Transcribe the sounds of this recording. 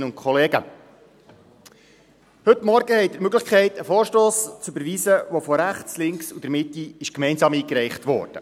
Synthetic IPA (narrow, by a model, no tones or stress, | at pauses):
ʊnt̚kʰχɔleːɡə̰ | hɵt̪mɔɾɡ̥əhɛɪt̚dəɾmøɡləχkʰɛɪtəfɔːɾʃtoːst͡sybəɾʋiːzəʋɔfɔɾæχt͡slɪŋksud̥̪əɾmɪtiɪʃkmɛɪnsɑːmiːkɾɛɪχtʋɔ̰ːrd̥ə